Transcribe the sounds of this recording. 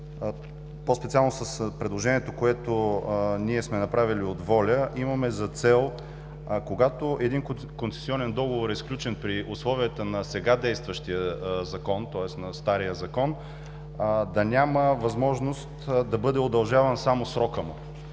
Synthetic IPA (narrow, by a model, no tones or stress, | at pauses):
pospɛt̪sialˠnosɐspɾɛd̪lˠoʒɛniɛt̪okoɛt̪oniɛsmɛnɐpɾaviliod̪vɔlʲəʔimɐmɛzɐt̪sɛlˠ | koɡat̪oʔɛd̪in | konsɛ̥siɔnɛnd̪ɔɡovoɾɛsklʲut͡ʃɛnpɾiʔʊslˠɔvijət̪ənɐsɛɡad̪ɛjst̪vəʃt̪ijəzɐkɔnt̪ɔɛsnɐst̪aɾijəzɐkɔn | d̪ɐnʲaməvɐzmɔʒnost̪d̪ɐbɤd̪ɛod̪ɐlˠʒavənsamosɾɔkəmʊ